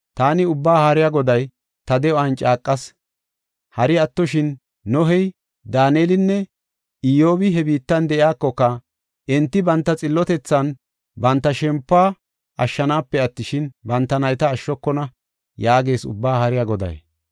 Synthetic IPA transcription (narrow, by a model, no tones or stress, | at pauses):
t̪aːnɪʊbːaːhaːɾɪjaːɡɔd̪ɐj | t̪ɐd̪ɛɔɐnt͡ʃʼaːkʼːɐs | hɐɾɪɐt̪ːɔʃɪnː | ɔɦɛj | d̪aːneːlɪnːɛ | ɪjo̞ːbɪɦɛbiːt̪ːɐnd̪ɛʔɪjaːkːɔkːɐ | ɛnt̪ːɪbɐnt̪ːɐt͡sʼɪlːɔt̪ɛt͡sːɐn | bɐnt̪ːɐʃɛmpːaː | ʔɐʃːɐnaːpːɛɐt̪ːɪʃɪnbɐnt̪ːɐnɐjt̪ɐːʃːɔkːɔnɐ | jaːɡe̞ːsʊ̰bːaːhaːɾɪjaɡɔd̪ɐ̰j